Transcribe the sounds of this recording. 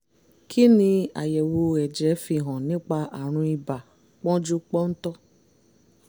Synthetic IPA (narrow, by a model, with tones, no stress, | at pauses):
kʰi˦nĩ˧a̰˨jɛ˨wo˧ɛ˨d͡ʒɛ˨˦fi˧˨ɦɔ̃˨nĩ˨˦k͡pa˧ʔa˨ɾ̃ũ˧i˧ba˨ | k͡pɔ̃˦d͡ʒu˦k͡pɔ˦n̩˦tɔ˦